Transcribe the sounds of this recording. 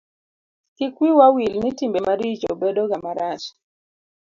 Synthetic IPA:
kɪkwiwawilnitimbemaɾit͡ʃobedoɡamaɾas

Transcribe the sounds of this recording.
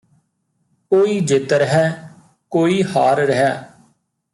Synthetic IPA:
koːiːd͡ʒɪt̪ɾəɦɛː | koːiːhaːɾɾəɦɛː

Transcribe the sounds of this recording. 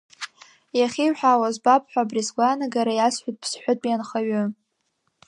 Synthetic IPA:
jaχʲiħʷᶣawazbap̚ʰʼħʷᶣabrisɡʷanaɡaɾajasħʷᶣʊt̚ʼpʰsħʷʊtʼjanχaɥʊ

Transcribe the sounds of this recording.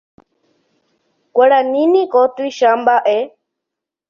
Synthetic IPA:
kʷeɾanĩnĩkot̪ɨiʃambaʔe

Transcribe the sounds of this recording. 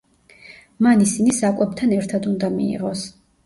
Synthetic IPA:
manisinisakʼwɛb̚t̪ʰanɛɾt̪ʰad̪und̪amḭːʁɔs

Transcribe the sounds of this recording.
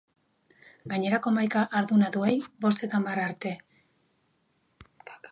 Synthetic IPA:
ɡaɲe̞ɾako̞majkaʔaɾðunaðue̞jbo̞st̪e̞t̪amaraɾt̪e̞

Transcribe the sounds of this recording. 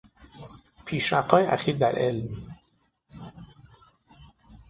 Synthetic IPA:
pʰiːʃæft̪hɒːjeʔæxiːɾd̪æɾʔelm

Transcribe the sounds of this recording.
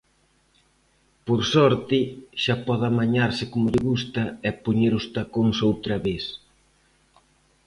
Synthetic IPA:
poɾsɔɾt̪ɪʃapɔðamaɲaɾsɪkomʊʎɪɣust̪ɐɛpoɲeɾʊst̪akoŋsowt̪ɾɐβes

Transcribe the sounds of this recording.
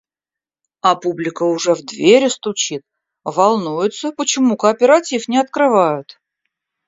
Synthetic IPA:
ɐpublʲɪkəʊʐɛvd̪vʲeɾʲɪst̪ʊt͡ɕit̪̚ | vɐlˠnujɪt̪səpət͡ɕɪmukəːpʲɪɾatʲifnʲɪɐt̪kɾɨvajʊt̪

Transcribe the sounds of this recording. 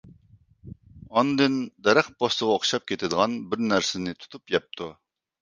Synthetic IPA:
ɑnd̪ɨnd̪ɛɾæχbost̪əʁɑoχʃɑp̚kʲʰet̪ʰɪd̪əʁɑnbɪɾnæɾsɪnɪt̪ʰu̥t̪ʰupjɛp̚t̪ʰu

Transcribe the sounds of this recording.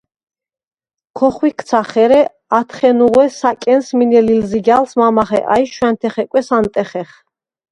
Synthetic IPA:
kʰɔχwikʰt̪sʰaχɛɾɛ | at̪ʰχɛnuʁwɛsakʼɛnsminɛlilziɡalsmamaχɛ̰ʔajʃwɛnt̪ʰɛχɛkʼwɛsant̪ʼɛχɛχ

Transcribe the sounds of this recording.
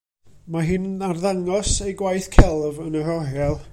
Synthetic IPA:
maɦɪnarðaŋɔsejɡwajθkʰɛlˠvənərɔɦɛlˠ

